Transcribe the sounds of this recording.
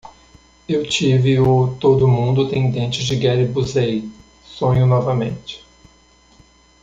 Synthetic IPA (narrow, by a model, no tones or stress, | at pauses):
ewt͡ʃivɪot̪od̪ʊmũnd̪ʊt̪ẽj̃d̪ẽnt͡ʃɪzd͡ʒɪɡɛɾɪbuzej | sõɲʊnɔvɐmẽt͡ʃɪ̥